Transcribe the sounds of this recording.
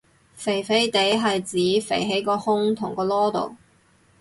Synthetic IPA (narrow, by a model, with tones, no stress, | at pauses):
fe˨˩jfe˨˥jt̪e˨˥jɦɐ˨jt͡siː˨˥fḛ˨˩jɦe˨˥jkɔː˧hʊ˥ŋt̪ʰʊ˨˩ŋkɔː˧lɔː˥t̪o̰˨w